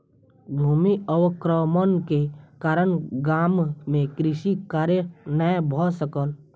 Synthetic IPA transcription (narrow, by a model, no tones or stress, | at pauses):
bʱuːmiəʋəkɾəmənkekaːɾəɳɡaːmːẽkɾɪʃikaːɾjənajbʱɔsəkəl